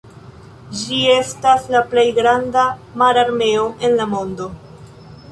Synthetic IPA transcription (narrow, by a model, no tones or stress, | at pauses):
d͡ʒie̞staslaple̞jɡɾandamaɾaɾme̞o̞ʔe̞nlamo̞ndo̞